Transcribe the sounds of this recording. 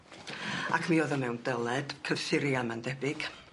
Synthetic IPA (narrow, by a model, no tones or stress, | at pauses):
a̰kʰmioðɔmɛwndəlˠɛd̥kʰəv̥θɪɾjamandɛbɪɡ̥